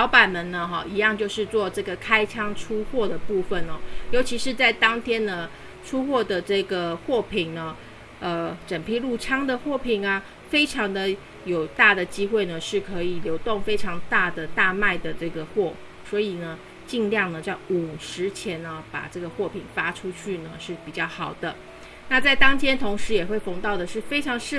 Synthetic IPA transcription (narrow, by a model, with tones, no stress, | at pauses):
ɑ˧˥ʊpa˨˩nmə˧˦nnə˧xɔ̰˥˧i˧˥jɑ˥˧ŋt͡ɕjo˥˧ʊʂɻ̩˥˧t͡swɔ˥˧ʈ͡ʂɤ˥˩ɡə˩kʰa˥ɪʈ͡ʂʰɑ˥ŋʈ͡ʂʰu˥xwɔ˥˩d̪ə˩pu˥˩fə˨˩nə˨˩jo˧˥t͡ɕʰi˧˥ʂɻ̩˥˧t͡sa˥˩ɪt̪ɑ˥ŋt̪ʰjɛ˥nə˨ | ʈ͡ʂʰu˥xwɔ˥˩d̪ə˩ʈ͡ʂɤ˥˩ɡə˩xwɔ˥˩pʰi˨˩ŋnə˦ | ə˧ʈ͡ʂə˨˩ŋpʰi˥˧lu˥˩ʈ͡ʂʰɑ˥ŋd̪ə˨xwɔ˥˩pʰi˨˩ŋa˧ | fe˥ɪʈ͡ʂʰɑ˧˥ŋd̪ə˧ | jo˨˩ʊt̪a˥˩d̪ə˩t͡ɕi˥xwe˥˩ɪnə˩ʂɻ̩˥˩kʰɤ˧˥i˨˩ljo˧˥ʊt̪ʊ˥˩ŋfe˥ɪʈ͡ʂʰɑ˧˥ŋt̪a˥˩d̪ə˩t̪a˥˧ma˥˩ɪd̪ə˩ʈ͡ʂɤ˥˩ɡə˩xwɔ˥˩ | swɔ˧˥i˨˩nə˦ | t͡ɕi˥˧ŋljɑ˥˩ŋnə˩t͡ɕa˥˩u˨˩ʂɻ̩˧˥t͡ɕʰjɛ˧˥nə˧pa̰˨˩ʈ͡ʂɤ˥˩ɡə˩xwɔ˥˩pʰi˨˩ŋfa˥ʈ͡ʂʰu˥t͡ɕʰy˥˩nə˩ʂɻ̩˥˩pi˨˩t͡ɕjɑ˥˩ʊxɑ˨˩ʊd̪ə˦ | na˥˧t͡sa˥˩ɪt̪ɑ˥ŋt̪ʰjɛ˥nt̪ʰʊ˧˥ŋʂɻ̩˧˥jɛ˨˩xwe˥˩ɪfɤ˧˥ŋt̪ɑ˥˩ʊd̪ə˩ʂɻ̩˥˩fe˥ɪʈ͡ʂʰɑ˧˥ŋʂɻ̩˥˨